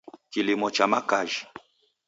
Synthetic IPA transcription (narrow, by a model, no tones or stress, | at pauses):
kilimɔt͡ʃamakaʒi